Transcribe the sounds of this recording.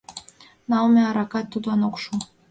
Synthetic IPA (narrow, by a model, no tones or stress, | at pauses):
nɑlmeɑɾɑkɑt̪ːud̪ɑnokʃu